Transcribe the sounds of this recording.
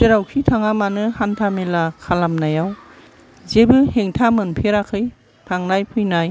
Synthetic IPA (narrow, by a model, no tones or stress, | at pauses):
teɾawkʰitʰaŋamanɯhantʰamelakʰalamnajaw | zebɯheŋtʰamɯnpʰeɾakʰɯj | tʰaŋnajpʰɯjnaj